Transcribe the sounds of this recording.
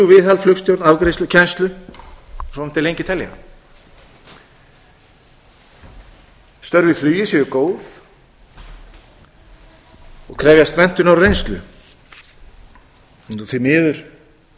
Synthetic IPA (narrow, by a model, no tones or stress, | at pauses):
uvɪðalflʏkst̪jowɾnavkɾejst̪ʏcʰɛnst̪lʏ | sɔnɛm̥t̪ːɪlejɲcɪt̪ʰɛlja̰ | st̪œɾvɪflyːjɪsɛɣʏkoːwθ | ɔkʰɾɛːvjast̪mɛn̥t̪ʏnawɾrejnst̪lʏ̰ | ɔθimɪːðʏɾ̥